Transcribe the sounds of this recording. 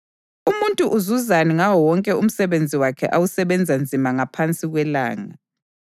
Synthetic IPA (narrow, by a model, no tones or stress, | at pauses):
umuntʼuʔuzuzaniŋawɔwɔŋkʼɛum̩sɛβend͡zʱiwakʰɛ̰ʔawusɛβɛnd͡zʱand͡zʱimaŋapʰant͡sʼiɣwɛla̰ːŋa̰